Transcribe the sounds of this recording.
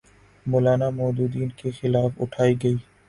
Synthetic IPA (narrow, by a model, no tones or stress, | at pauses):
moːlaːnamɔːd̪uːd̪iːnkexɪlaːfʊ̰ʈʰaːiɡɐiː